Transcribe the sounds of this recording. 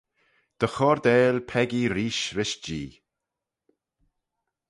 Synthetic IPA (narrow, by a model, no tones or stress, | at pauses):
d̪̥əxɔɾd̪ɛːlpʰɛɡiɾiːʃɾɪʃd͡ʒḭː